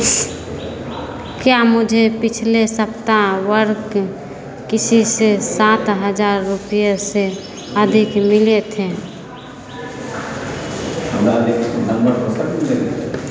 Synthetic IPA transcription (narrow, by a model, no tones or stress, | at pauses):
kjamʊd͡ʒʱepɪt͡ʃʰlesəpt̪awəɾk | kɪsisesaːt̪ɦəd͡ʒaːɾːʊpijase | əd̪ʱɪkmɪlet̪ʰeː | əmlad̪eksonə̃mbəɾɦosək̪iləɡi